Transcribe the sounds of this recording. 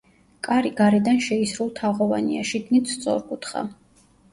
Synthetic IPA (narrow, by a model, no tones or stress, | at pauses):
kʼaɾiɡaɾɛd̪anʃɛisɾulˠt̪ʰaʁɔva̰nḭa̰ʃid̪nit̪st̪sʼɔ̰ɾkʼut̪χa̰